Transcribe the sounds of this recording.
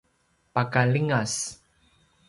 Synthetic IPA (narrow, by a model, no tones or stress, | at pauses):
pakaliŋas